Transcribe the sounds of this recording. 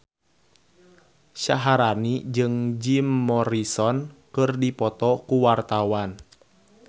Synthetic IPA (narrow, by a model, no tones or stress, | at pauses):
ʃaɦaɾanid͡ʒɨŋd͡ʒimːɔɾisɔnkɨrdipɔt̪ɔkuwart̪awan